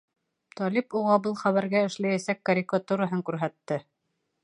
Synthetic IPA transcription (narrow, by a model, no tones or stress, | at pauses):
t̪ɒlipuʁɑbɤlˠχæβæɾɡæɘ̆ʃlæjæsækːɐɾʲikat̪uɾaɦɤŋkʉɾɦæt̪ːɘ